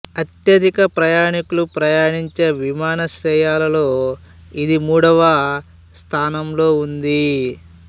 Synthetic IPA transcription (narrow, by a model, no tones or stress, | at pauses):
ɐt̪jɐd̪ikɐpɾɐjaːɳikulupɾɐjaːɳiɲt͡ʃeːʋimaːnɐʃɾɛːjaːlɐlo̞ː | id̪imuːɽɐʋɐ | st̪ʰaːnɐmlo̞ːund̪i